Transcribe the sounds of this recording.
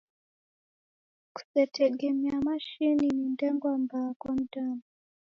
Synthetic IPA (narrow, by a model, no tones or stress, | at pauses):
ku̥sɛtʰɛɡɛmɛamaʃininindɛŋɡwambakwam̩taːna